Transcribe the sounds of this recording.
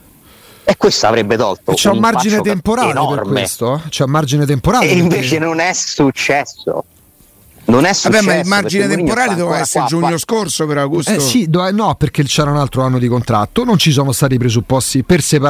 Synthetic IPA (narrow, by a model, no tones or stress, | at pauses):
ekːwest̪oa̰vɾebːet̪ɔ̰lt̪o̰t͡ʃɛumːard͡ʒinet̪empoɾaːlneperkːweest̪ot͡ʃɛumːard͡ʒinet̪̬empoɾaːiɱveːt͡ʃenonɛut͡ʃːɛsːo̰ | nonɛsːabːɛmailmard͡ʒinet̪empoɾaːled̪ɛvaɛsːeɾd͡ʒuɲːoskorsopeɾaɡossid̪ɛnːɔperk̟et͡ʃɛːɾaunalt̪ɾoanːod̪ikont̪ɾa̰t̪ːonont͡ʃis̬ɔːnost̪aːt̪̬ipɾezupːɔst̪ipersepa